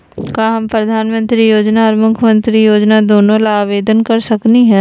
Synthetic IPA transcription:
kaɦɐmpɾɐd̪ʱaːnmə̃nt̪ɾijoːd͡ʒnaɔːɾmʊkʰjmə̃nt̪ɾijoːd͡ʒnad̪oːnõlaːʋeːd̪ənkɐɾsɐkniɦɛ̃

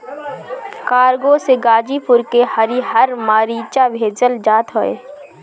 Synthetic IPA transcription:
kaːɾɡõseɡaːd͡ʒipʊɾkehɐɾiɦɐɾmaːɾiːt͡ʃabʱeːd͡ʒəld͡ʒaːt̪ɦoːḛː

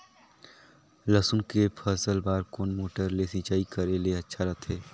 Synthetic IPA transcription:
ləsʊnkepʰəsəlbaːɾkoːnmoːʈəɾlesĩːt͡ʃaːikəɾeleɐtːʃʰaɾɐt̪ʰɦeː

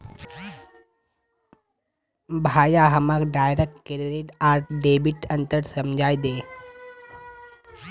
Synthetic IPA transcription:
bʱaːjaɦɐmakɖaːjɾek̚ʈkeɾɾeːɖaːɾɖeːbɪʈɐ̃nt̪əɾsɐmd͡ʒʱaːid̪eː

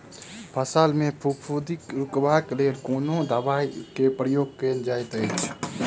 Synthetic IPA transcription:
pʰəsaːlmẽpʰukpʰud̪ikɾʊkbakleːlkoːnod̪abaːikepɾəjoːɡ̚keːnd͡ʒaːjt̪e

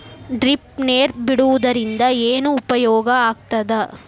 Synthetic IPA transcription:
ɖɾipneːɾbiɽuʋud̪ɐɾind̪ɐeːnuːpɐjɔːɡɐaːɡ̚t̪ɐd̪ɐ

